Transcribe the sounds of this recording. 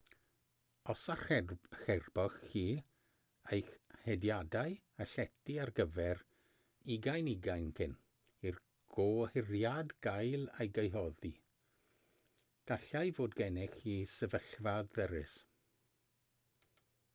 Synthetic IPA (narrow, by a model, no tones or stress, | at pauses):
ɔsaxɛrb̥ɔxiː | ejxhɛdjadaj | aɬɛtiarɡəvɛr | ɪɡajnɪɡajnkʰɪn | ir | ɡ̥oːhɪrjadɡ̥ajlˠejɡejɦɔði | ɡ̥aɬajvoːdɡɛnɛxiːsəvəɬvadəɾɪs